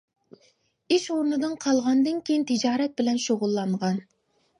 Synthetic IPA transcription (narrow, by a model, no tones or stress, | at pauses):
iʃoɾnɨd̪ɨnqʰɑlˠʁɑnd̪ɨnkʲʰejint̪ʰɨd͡ʒɑːɾɛt̪̚bɪlɛnʃoʁʊlˠːɑɴʁɑn